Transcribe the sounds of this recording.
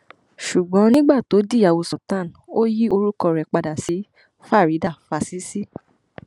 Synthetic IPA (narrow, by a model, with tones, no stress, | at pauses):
ʃu˨ɡ͡bɔ̃˨˦nĩ˦ɡ͡ba˦˨to˨˦di˦˨ja˨wo˧sɔ˨tã˦˨n˨o˦ji˦o˧ɾu˦kɔ˧ɾɛ˨k͡pa˧da˨si˨˦ | fa˦˨ɾi˨˦da˦˨fa˨si˨˦si˦